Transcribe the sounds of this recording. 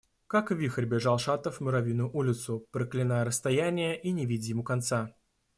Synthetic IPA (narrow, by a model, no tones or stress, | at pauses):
kakvʲixərʲbʲɪʐalˠʂat̪əfmʲʊɾavʲinʊjʊʔulʲɪt̪sʊpɾəklʲɪnajəɾəst̪ajænʲɪjəʔinʲɪvʲidʲjɪmukant̪sa